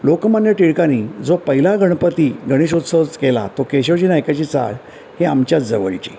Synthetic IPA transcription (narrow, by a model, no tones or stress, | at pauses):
lokmanjəʈiɭkanid͡zopəɦilaɡʱəɳ̃pət̪iɡʱəɽ̃eɕ̬ut̪sət͡skela̰t̪okeɕot͡ɕiːnajkat͡ɕiːt͡sa̰ɭ | heamt͡ɕjat͡sd͡zəʋəɭit͡ɕi